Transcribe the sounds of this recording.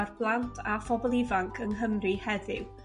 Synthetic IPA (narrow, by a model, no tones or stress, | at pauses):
arb̥lˠantʰafɔbɔlˠɪvaŋkʰənɦəmrihɛðɪw